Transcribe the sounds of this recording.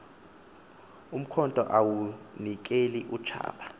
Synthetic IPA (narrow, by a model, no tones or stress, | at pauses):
um̩kʰɔntʼɔ̰ʔawunik̬ʼeliʔut͡ʃʰa̰ːɓʰa